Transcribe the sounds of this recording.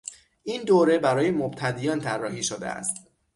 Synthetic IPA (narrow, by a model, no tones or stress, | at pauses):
ʔiːnd̪oːɾe̞bæɾɒːje̞mob̚t̪ʰæd̪ijɒːnt̪ʰærːɒːhiːʃod̪ḛæ̰st̪